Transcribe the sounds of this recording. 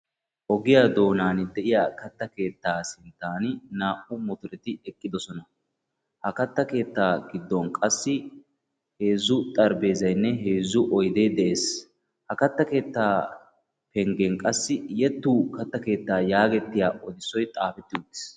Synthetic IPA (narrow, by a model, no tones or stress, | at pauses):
ʔɔɡɪjad̪o̞ːnaːnɪd̪ɛʔɪjaːkɐt̪ːɐke̞ːt̪ːaːsɪnt̪ːaːnɪnaːʔʊmɔt̪ʊɾɛt̪ɪɛkʼːɪd̪ɔsɔnɐ | hɐkɐt̪ːɐke̞ːt̪ːaːɡɪd̪ːɔnkʼɐsːɪ | he̞ːzːʊt̪ʼɐɾbe̞ːzɐjnːɛɦe̞ːzːʊʔɔjd̪eːd̪ɛʔe̞ːs | hɐkɐt̪ːɐke̞ːt̪ːaː | pɛŋɡɛŋkʼɐsːɪjɛt̪ːuːkɐt̪ːɐke̞ːt̪ːaːjaːɡɛt̪ːɪjaːʔɔd̪ɪsːɔjt̪ʼaːfɛt̪ːɪʊd̪ːɪ̥s